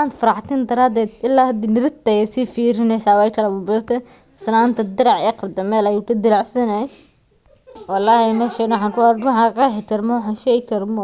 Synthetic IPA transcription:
aːnt̪fɐɾɑħt̪ɛnd̪ɐɾaːd̪ɛːd̪ɪlːaːhɐd̪inɪɾɪt̪ɛjɛsiːfiːɾɪnɛsaːwɛjkʰɐlɐbʊbʊt̪ʰɛ | snaːnt̪ʰɐd̪ɪɾɑʕɛːqɑbd̪ɐmɛːlɐjuːkʰɐd̪ɪlaʕsɐnɛj | wɑlːɑːhɛmɛːʃɛnwħaːnkʊaɾwħakaħɛkɐɾmɔwħanʃɛjkʰɐɾmɔ

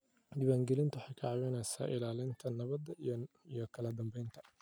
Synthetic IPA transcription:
d̪iːβaːŋɡɛlɪnt̪ʰʊwħɑjkʰɐʕɑβɛnɛːsa̰ːʔɪlaːlɪnt̪ʰɐnɐβɐd̪ɐ | ijɔkʰɐlɐd̪ɐmbɛjnt̪ʰɐ̥

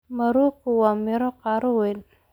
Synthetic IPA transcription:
mɐɾuːkʰʊwɑːmɪɾɔqɑːɾɔwɛːn

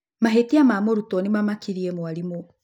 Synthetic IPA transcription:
maɦetiamamoɾutɔnimamakiɾiɛmwaɾimo

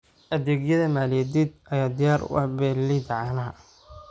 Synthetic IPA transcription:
ʔɐðɛːɡjɐðɐmaːlɪjɛd̪id̪̚ɐjaːd̪ɪjaːɾʊ̰ɐ̰bɛːlːid̪ʕɑnɐɦɐ

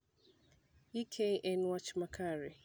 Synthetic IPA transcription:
ikʰeʔɛnwat͡ʃmakʰaɾɪ

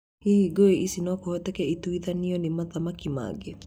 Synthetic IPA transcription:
hihiɡoeʔisinɔkɔhɔt̪ɛkɛit̪uiðaniɔnimaðamakima̰ɡe

